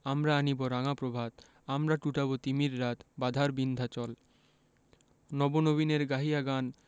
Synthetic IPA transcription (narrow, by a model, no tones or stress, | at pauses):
amɾaaniboɾaŋapɾobʱat̪ | amɾaʈuʈabot̪imiɾːat̪bad̪ʱaɾbind̪ʱat͡ɕɔl | nɔbonobineɾɡaɦijaɡan